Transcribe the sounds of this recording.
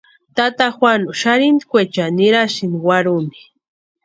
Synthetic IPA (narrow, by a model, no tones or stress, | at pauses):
t̪at̪axwanuʃaɾind̪ikʷet͡ʃaniɾaʃɪniwaɾumi̥